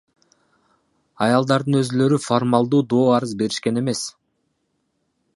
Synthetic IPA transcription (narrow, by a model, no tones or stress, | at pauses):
ɑjɑlˠd̪ɑɾd̪ɯnø̞zylø̞ɾyformɑlˠd̪uːd̪o̞ːɑɾɯzbe̞ɾiʃke̞ne̞me̞s